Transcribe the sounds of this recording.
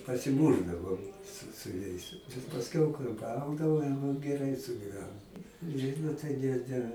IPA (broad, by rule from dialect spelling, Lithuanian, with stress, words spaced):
pɐsʲɪˈmuːʒdɐʋoːm sʊ sʊ ˈjɛɪs pɐsʲˈkʲɛʊ kɐɪ ˈɡɐʊdɐʋoː jɛʊ ɡʲɛˈrɐɪ sʊɡʲiːˈʋʲæːnoːm ˈʒʲiːdʊ tɐɪ ˈnʲɛ ˈnʲɛ